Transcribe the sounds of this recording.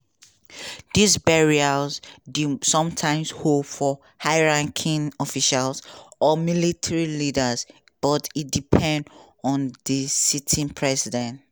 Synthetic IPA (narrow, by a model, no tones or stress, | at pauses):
disbɛɹialzdisɔ̃mtʰãɪ̃mshopfɔ | haɪɹãŋkʰĩnɔfiʃalsɔmilitʰaɹilidəz | b̥ɔtidipʰɛ̃nd | ɔ̃nðəsitʰĩnpʰɹɛsidɛ̃nt